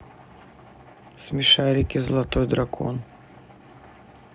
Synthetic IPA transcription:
sʲmʲɪʂaɾʲɪkʲɪzəlˠɐt̪ojd̪ɾɐkʰo̰n

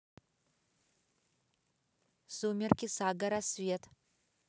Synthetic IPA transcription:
sumʲerkʲʰisaɡɐɾasvʲetʰʼ

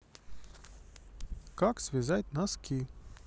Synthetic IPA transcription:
kaksvʲizajt̪ʲnaskʲi

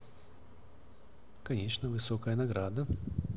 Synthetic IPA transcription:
kɐnʲet͡ʃnəvɨsokəjənaɡɾad̪ɐ

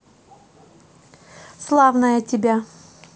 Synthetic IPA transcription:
slˠavnəjətʲɪbʲa

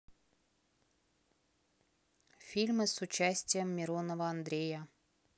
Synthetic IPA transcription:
fʲilʲmɨsut͡ɕæsʲtʲɪjəmːʲiɾonovəɐnd̪ɾʲejə

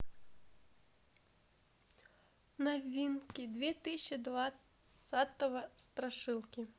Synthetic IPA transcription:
navʲinkʲid̪vʲɛt̪ɨsʲid̪va | sat̪ɐvɐst̪ɾaʂɨlˠkʲi

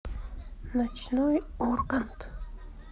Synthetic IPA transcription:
nat͡ʃnʊjoɾkant̪

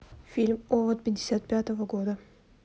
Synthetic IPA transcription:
fʲilʲmovət̪̚pʲɪdʲɪsʲat̪̚pʲat̪əvəɡod̪ə

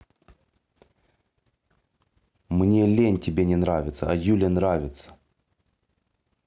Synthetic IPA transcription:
mnʲelʲenʲtʲɪbʲenʲɪnɾavʲɪt̪səɐjulʲənɾavʲɪt̪sə̥

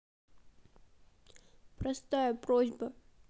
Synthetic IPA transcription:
pɾɐst̪ajəpɾozʲbə

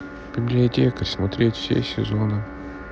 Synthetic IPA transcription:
b̥ʲɪbʲlʲɪɐtʲekəsmɐt̪ɾʲetʲfsʲḛsʲɪ̰zonɨ

